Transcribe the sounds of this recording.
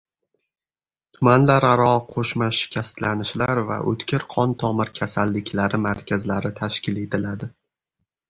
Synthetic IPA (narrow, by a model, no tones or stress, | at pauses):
t̪ʰʊmanlaɾaɾɒqʰoʃmaʃɪ̥kʲʰast̪lanɪʃlaɾva̰ʔɵ̰t̪kʲɪɾqʰɒnt̪ʰɒmɪɾkʲʰasalːɪkʲʰlaɾɪmaɾkʲʰazlaɾɪt̪ʰaʃkʲɪle̞t̪ʰɪlad̪ɪ